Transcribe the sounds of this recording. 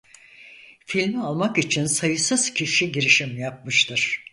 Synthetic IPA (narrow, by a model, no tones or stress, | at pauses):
filʲmialˠmakit͡ʃʰinsajɯsɯz̥cʰiʃiɟiɾiʃimjap̚mɯʃt̪ʰɯɾ̥